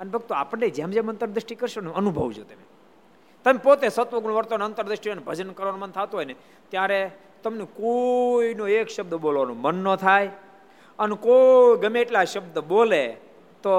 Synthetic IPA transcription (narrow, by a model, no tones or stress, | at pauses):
ənebʱəɡ̚t̪ua̰pəɳːed͡ʒẽmd͡ʒemənt̪əɾd̪ɾəʃʈikəɾʃoneənubʱəʋd͡ʒʰot̪eme | t̪əmepot̪esət̪ʋəɡnoʋəɾt̪oneənt̪əɾd̪ɾəʂʈianebʱəd͡ʒənkəɾʋanomənt̪ʰat̪uɦojne | t̪jaɾe | t̪əmnekoinoekʃəb̚d̪əbolʋanũmənːət̪ʰaj | ənekoɡəmẽeʈlaʃəbd̪əbole | t̪o